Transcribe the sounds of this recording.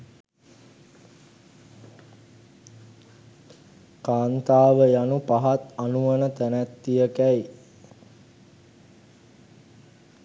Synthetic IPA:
kaːnt̪aːʋəjanupaɦat̪anuʋənət̪ænæt̪ːijəkæj

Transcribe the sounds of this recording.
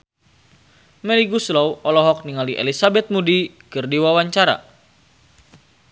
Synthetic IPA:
mɛliɡuslɔwɔlɔɦɔk̚niŋaliʔḛlisabɛt̪̚mudi | kɨrdiwawaɲt͡ʃaɾa̰

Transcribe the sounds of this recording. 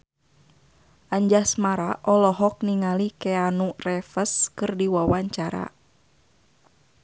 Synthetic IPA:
ʔaɲd͡ʒasmaɾaʔɔlɔɦɔk̚niŋalikɛanurɛfəskɨrdiwawaɲt͡ʃaɾa̰

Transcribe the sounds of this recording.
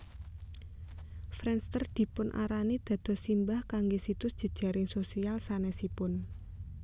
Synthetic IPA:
fɾɛnst̪ərd̪̥i̤pʊnʔa̰ɾanid̪̥ä̤d̪̥ɔ̤simbahkaŋɡesit̪ʊsd̥ʒ̥ə̤d̥ʒ̥ä̤ɾɪŋsosialsanɛsipʊn

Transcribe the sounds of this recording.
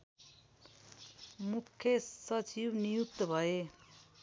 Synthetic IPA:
mukʰːjesʌt͡sibnijut̪ːbʱʌe

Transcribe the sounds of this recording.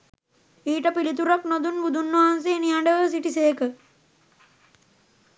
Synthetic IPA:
iːʈəpilit̪uɾaknod̪unbud̪ʱunːʋɐɦans̬eːnijaɳɖəʋəs̬iʈiseːkə

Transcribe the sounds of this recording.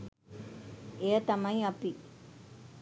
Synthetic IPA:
eːt̪ɐmɐjɐpːi

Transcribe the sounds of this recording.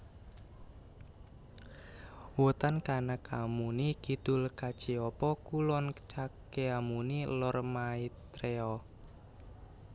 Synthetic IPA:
wut̪ankanəkʰamunikid̪̥ʊlkḁt͡ʃiɔpɔkulɔnkə̥t͡ʃakeamunilɔrmait̪ɾeɔ

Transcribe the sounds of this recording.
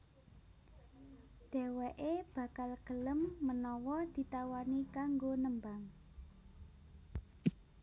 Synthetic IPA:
ɖ̪̥ɛ̤wɛʔeb̥ä̤kalɡ̥ələmːənɔwɔd̪̥i̤t̪awanikaŋɡonəmbaŋ

